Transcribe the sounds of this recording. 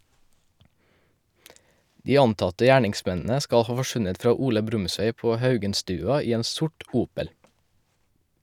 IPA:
ˈdiː ˈɑntɑtə ˈjæːɳɪŋˌsmɛnn̩ə ˈskɑ ˈhɑː fɔˈʃʉnət ˈfɾɑː ˈuːlə ˈbɾʉmˌsʋeɪ ˈpoː ˈhɑʉɡənˌstʉːɑ ˈiː ˈeːn ˈsʊʈ ˈuːpəl

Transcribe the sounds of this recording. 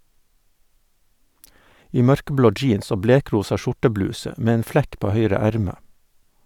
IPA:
ˈiː ˈmœɾkəˌbloː ˈd͡ʒiːns ˈoː ˈbleːˌkɾuːsɑ ˈʃʊʈəˌblʉːsə ˈmeː ˈeːn ˈflɛk ˈpoː ˈhœʏɾə ˈæɾmə

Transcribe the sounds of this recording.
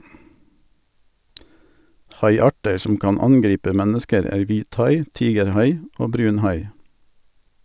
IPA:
ˈhɑɪˌɑːʈə ˈsɔm ˈkɑːn ˈɑnˌɡɾiːpə ˈmɛnəskəɾ ˈæːɾ ˈʋiːtˌhɑɪ ˈtiːɡəɾˌhɑɪ ˈoː ˈbɾʉːnˌhɑɪ

